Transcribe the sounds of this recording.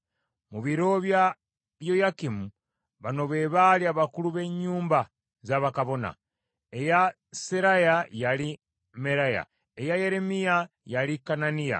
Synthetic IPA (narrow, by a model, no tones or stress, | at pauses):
muβiɾo̞βja | βjo̞jakimu | βano̞βe̞ːβaliaβakuluβe̞ɲːuːmba | zaːβakaβo̞na̰ | e̞ja | seɾajajali | me̞ɾaja̰ | ejaje̞ɾe̞mija | jalikananija̰